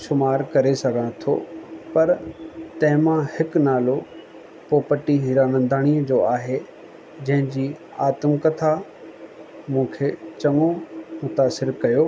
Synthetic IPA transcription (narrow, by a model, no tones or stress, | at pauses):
ʃʊmaːɾkɐɾesɐɡʱəɽ̃t̪ʰo̰ːpɐɾt̪ɐ̃ɦɪ̃mãhɪknaːlo | poːpəʈiɦiɾaːnə̃nd̪aːɽ̃iːəd͡ʑoːaːɦe | d͡ʑɐ̃ɦɪ̃d͡ʑiː | aːt̪əmkɐt̪ʰa | mũːkʰeːt͡ɕɐŋomʊt̪aːsɪɾkɐjoː